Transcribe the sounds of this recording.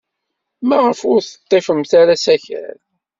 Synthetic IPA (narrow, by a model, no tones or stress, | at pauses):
mæʁəfʊɾθə̥t̪ˤːefəmθæɾæsæçɾæ̰n